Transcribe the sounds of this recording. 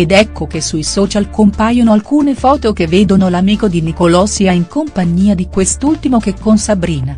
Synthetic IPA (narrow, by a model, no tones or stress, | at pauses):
ed̪ɛkːokesːujsɔːt͡ʃalkompaːjonoalkuːnefɔːt̪okevːeːd̪onolamiːkod̪inikolɔːsiaiŋkompaɲːiːad̪ikwest̪ult̪imok̟ekːonsabɾiːna